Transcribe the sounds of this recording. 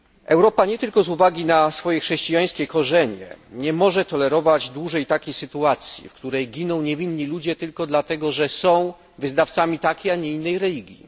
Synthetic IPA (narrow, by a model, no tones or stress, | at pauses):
ɛwɾɔpaɲɛt̪ɘlkɔzuvaɡʲinasfɔjɛxʂɛɕt͡ɕijaj̃skʲɛkɔʐɛɲɛ̰ɲɛmɔʐɛt̪ɔlɛɾɔvad͡ʑd̪wuʐɛjt̪akʲejsɘt̪uat̪sʲjḭfkt̪uɾɛjɡʲinɔ̃w̃ɲevʲinːilud͡ʑɛt̪ɘlkɔd̪lat̪ɛɡɔʐɛsɔ̃w̃ | vɘznaft̪samʲit̪akʲijaɲɛinːɛjɾɛlʲiɡʲjḭ